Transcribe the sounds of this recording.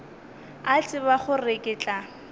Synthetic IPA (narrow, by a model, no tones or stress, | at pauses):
at͡sʼɪβaχʊrekʼɪt͡ɬʼa